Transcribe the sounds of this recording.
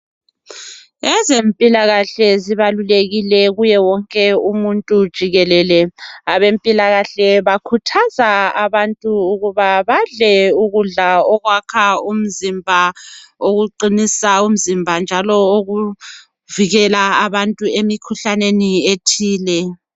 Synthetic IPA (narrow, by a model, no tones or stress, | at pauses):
ɛzempʼilaɣaɬɛziβaluleɣilɛɣujɛwɔŋkʼɛumuntʼud̥ʒ̥ʱiɣɛlɛːlɛaβempʼilaɣaɬɛβakʰutʰazaaβantʼuːɣuβaβaɮɛuɣuɮaɔɣwakʰaum̩zimbʱaoɣuǃinisaum̩zimbʱand͡ʒʱalɔoɣu | viɣɛlaːβantʼuemikʰuɬanenietʰiːlɛ